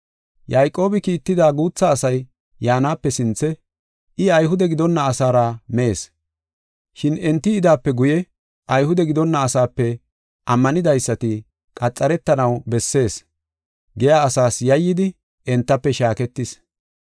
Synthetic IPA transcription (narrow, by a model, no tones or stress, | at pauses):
jajkʼːo̞ːbɪkiːt̪ːɪd̪aːɡuːt͡sːɐːsɐjː | aːnaːpːɛsɪnt͡sːɛ | ɪɐjɦʊd̪ɛɡɪd̪ɔnːɐːsaːɾamɛeːs | ʃɪnɛnt̪ːɪːd̪aːpːɛɡʊjɛ | ʔɐjhʊd̪ɛɡɪd̪ɔnːɐːsaːpːɛ | ʔɐmːɐnɪd̪ɐjsːɐt̪ɪ | kʼɐt͡sʼːɐɾɛt̪ːɐnɐwbɛsːe̞ːs | ɡɛjaːsaːsjɐjːɪd̪ɪ | ʔɛnt̪ːɐpːɛʃaːkɛt̪ːɪs